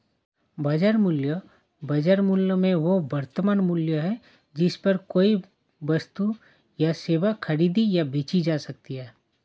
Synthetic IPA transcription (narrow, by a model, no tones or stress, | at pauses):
bɐd͡ʒəɾmuljə | bɐd͡ʒəɾmuljəmẽʋoʋɐɾt̪əmaːnmuljəɦɛ | d͡ʒɪspɐɾkoːi | ʋɐst̪u | jaseːʋakʰɐɾiːd̪ijabeːt͡ʃid͡ʒaːsɐk̚t̪iɦɛː